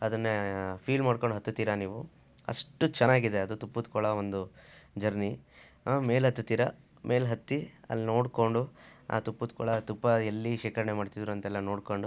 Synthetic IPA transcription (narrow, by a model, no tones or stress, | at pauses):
ɐd̪ɐnːepʰiːlmaːɖkoɳɖuɦɐt̪ːut̪iɾɐniːʋu | ɐ̰ʂʈut͡ʃɛnːaːɡid̪eɐd̪ut̪upːut̪kɔɭɐʋond̪ud͡ʒɐɾni | me̞ːlɦɐt̪ːut̪iːɾɐ̰ | mʔe̞ːlɦɐt̪ːiɐ̰lːino̞ːɽko̞ɳɖua̰ːt̪upːut̪kɔɭɐt̪upːɐelːiʃiːkɐɾɐɳemaːɖt̪id̪ɾuɐnt̪ɐɛlːɐno̞ːɽkoɳɖu